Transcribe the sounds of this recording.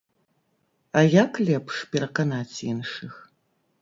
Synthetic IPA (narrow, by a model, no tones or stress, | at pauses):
ajakʰlepʰʂpeɾɐqɐnaːt͡sʰijɛnʂɨx